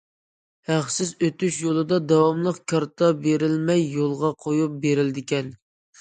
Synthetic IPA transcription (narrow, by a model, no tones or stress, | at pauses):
hæχsɪzøt̪yʃjolˠɨd̪ɑd̪ɑwɑmlˠəqkʰʲɑɾt̪ʰɑbeɾɪlmɛjːolˠʁɑqʰojup̚beɾɪld̪ɪkʲɛn